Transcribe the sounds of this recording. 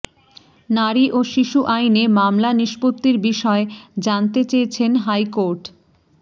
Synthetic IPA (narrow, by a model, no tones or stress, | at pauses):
naɾiʔoʃiʃuʔajnemamlaniʃpot̪ːiɾbiʃɔed͡ʑant̪et͡ɕejet͡ɕʰenɦajkoɾʈ